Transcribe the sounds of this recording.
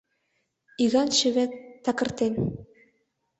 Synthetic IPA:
iɣɑnʃɘ̆βĕt̪ɑkɤ̆rt̪en

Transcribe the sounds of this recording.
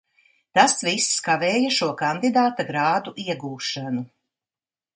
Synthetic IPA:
t̪asviskavɛːjaʃuɔkand̪id̪aːt̪aɡɾaːd̪uʔiɛɡuːʃanu

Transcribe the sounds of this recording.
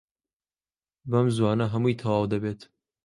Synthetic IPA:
bɐmzwɑːnɐɦɐmujt̪ʰɐwɑːwd̪ɐbeːt̪

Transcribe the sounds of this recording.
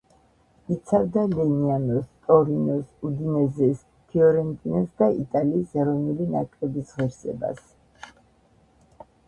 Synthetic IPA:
it̪sʰavd̪alɛnianɔst̪ʼɔɾinɔsud̪inɛzɛs | t̪ʰiɔɾɛnt̪ʼinɔsd̪aḭt̪ʼaliːsɛɾɔnulinakʼlɛbisʁɛɾsɛ̰ba̰s

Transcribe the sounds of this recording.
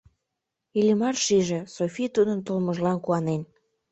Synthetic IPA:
ilʲəmɑrʃiʒe̽sofʲit̪ud̪ənt̪olməʒlɑnkuɑnen

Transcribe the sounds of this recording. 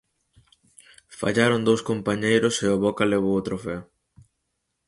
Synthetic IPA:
fa̰ʎaɾʊnd̪owskompaɲejɾʊseoβɔkaleβ̞owot̪ɾofɛo

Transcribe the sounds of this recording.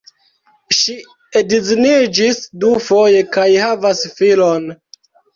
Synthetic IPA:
ʃi | ediznid͡ʒisdufo̞je̞kajhavasfilon

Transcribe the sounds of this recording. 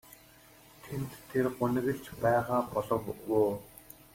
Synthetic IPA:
t̪ʰent̪ʰːerɢʊnɘ̆ɣɘ̆ɮt͡ɕpæːʁaːpɔɮɞ̆wːʊː

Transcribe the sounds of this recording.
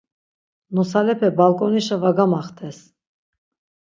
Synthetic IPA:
nɔsalɛpʰɛbalkʼɔniʃəvaɡamaχt̪ʰɛs

